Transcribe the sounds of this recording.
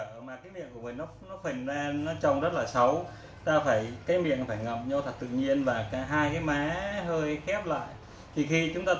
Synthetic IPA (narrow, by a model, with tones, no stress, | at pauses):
əː˧˩maː˨˩kaː˨˦jmḭ˧˨ənku˧˩əmi˨˩nɔ˨˦nɔ˨˦fə˨˩ŋza˧nːɔ˨˦t͡ɕə˧˩wŋ͡mzə˦˥t̚laː˨˩sə˨˦w | t̪aː˧faː˧˩jkaː˨˦jmḭ˧˨ənfaː˧˩jŋə˧˨mɲɔ˧t̪ʰa˨˩t̚t̪ɨ̰˧˨ɲi˧ənvaː˨˩kaː˧˩ɦaː˧jkaː˨˦jmaː˨˦ɦəː˧jxɛ˦˥p̚la̰ː˧˨j | t̪ʰi˨˩xi˧t͡ɕʊ˨˦ŋ͡mt̪aː˧